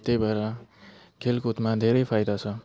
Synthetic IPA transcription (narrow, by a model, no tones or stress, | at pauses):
t̪ejbʱʌɾa | kʰelkut̪mad̪ʱeɾʌjpʰajd̪at͡sʰʌ